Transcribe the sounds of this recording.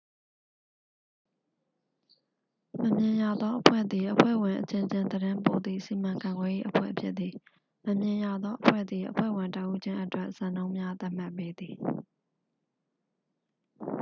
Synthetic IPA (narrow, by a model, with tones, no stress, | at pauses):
mə˨mjɪ̃˨ja˨d̪ðɔ˦ʔəpʰwɛ̰˦˨d̪ði˨ʔəpʰwɛ̰˦˨wɪ̃˨ʔət͡ɕɪ̃˨t͡ɕɪ̃˨nd̪əɾɪ̃˦mpo˨d̪ðḭ˦˨si˨mã˨ŋkã˨ŋɡwɛ˨je˦ʔəpʰwɛ̰˦˨ʔəpʰjɪ˦ʔ̪̚i˨ | mə˨mjɪ̃˨ja˨d̪ðɔ˦ʔəpʰwɛ̰˦˨d̪ði˨ʔəpʰwɛ̰˦˨wɪ̃˨ntə˦ʔu˦d͡ʑɪ̃˦ʔətwɛ˦ʔz̥ã˨nõ˦ʊ̃mja˦t̪a˦ʔm̥a˦˨ʔpːe˦d̪ði˨